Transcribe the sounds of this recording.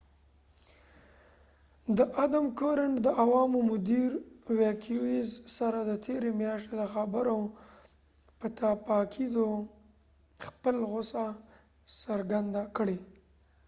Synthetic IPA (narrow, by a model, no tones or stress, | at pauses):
d̪əʔad̪amkoɾaɳʈd̪əʔawɑmomʊd̪iɾwekʰiwezsaɾad̪ət̪ʰeɾemjɑʃt̪ed̪əxabəɾa | pət̪apɑkʰid̪o | xpəlɣʊsa | saɾɡand̪akəɽe